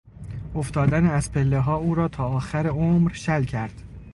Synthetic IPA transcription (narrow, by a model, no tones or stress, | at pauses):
oft̪ɒːd̪æneæzpʰelːeɦɒːuːɾɒːt̪ʰɒːɒːxæɾeomɾʃælcʰæɾd̪̥